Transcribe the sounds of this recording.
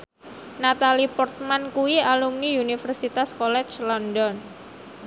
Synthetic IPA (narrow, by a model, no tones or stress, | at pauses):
nat̪alipɔrt̪̚mankuwialumniunifərsit̪askɔlɛt͡ʃlɔndɔn